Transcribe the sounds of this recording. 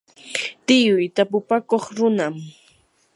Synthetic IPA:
t̪ɪjʊjt̪apʊpakoχɾʊnam

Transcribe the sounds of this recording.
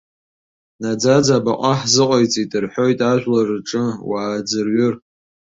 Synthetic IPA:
nad͡zad͡zabaqʷʼaħzɨqʷʼajt͡sʼitʼɨrħo̞jtʼaʒʷᶣlarʈ͡ʂʼɨwaːd͡zɨrɥʊr

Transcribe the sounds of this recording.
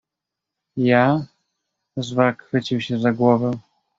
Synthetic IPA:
ja | zvakfɘt͡ɕiwɕɛzaɡwɔvɛ̃

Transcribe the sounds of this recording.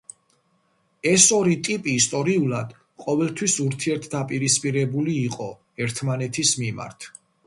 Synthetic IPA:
ɛsɔɾit̪ʼipʼiːst̪ʼɔɾiulad̪̥ | qʼɔvɛlˠt̪ʰwisuɾt̪ʰiɛɾt̪ʰd̪apʼiɾispʼiɾɛbuliːqʼɔ | ɛɾt̪ʰmanɛt̪ʰismima̰ɾt̪ʰ

